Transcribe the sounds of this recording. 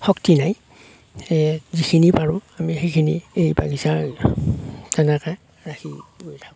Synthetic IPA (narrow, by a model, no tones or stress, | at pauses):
xɔktinaj | ɛzikʰinipaɹʊ̃mamixekʰinḭejba̰ɡisa | tanaka | ɹaxiɡojtʰa